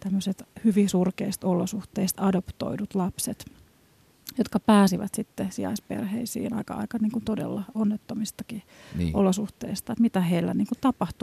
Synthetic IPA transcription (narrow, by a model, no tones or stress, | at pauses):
t̪æmːøset̪hyʋisurkeist̪olosuht̪eist̪ɑdopt̪o̰idut̪lɑpset̪ | jot̪kɑpæːsiʋæ̰t̪sit̪ːesiɑ̰ispḛrhḛisḭːhnɑ̰ikɑ̰ɑ̰ikɑnniːŋkunt̪odḛlːɑonːet̪ːomist̪ɑkiʔo̰losuht̪ḛist̪ɑet̪mit̪æheilːæ̰niːŋkunt̪ɑpɑht̪u